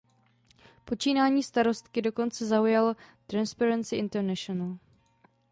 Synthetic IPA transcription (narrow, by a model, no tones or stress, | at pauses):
po̞t͡ʃiːnaːɲiːst̪aɾo̞st̪kɪdo̞ko̞nt͡sɛzaujalot̪ɾanspɛɾɛnsɪʔɪnt̪ɛɾnɛʃonal